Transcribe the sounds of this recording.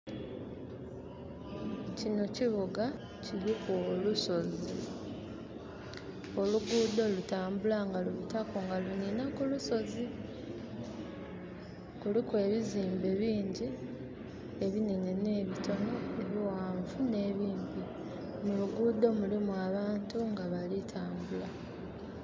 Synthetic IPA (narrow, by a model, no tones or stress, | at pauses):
cino̞ciβuɡa | cilikoluso̞zi | o̞luɡuːd̪o̞lutaːmbulaŋɡaluβutakoŋɡaluninakuluso̞zi | kulikwe̞ːβiziːmbe̞βiːɲɟi | e̞βininene̞βito̞moe̞βiwaːɱvune̞ːβiːmbi | muluɡuːd̪o̞mulimuaβaːntuŋɡaβalitʰaːmbula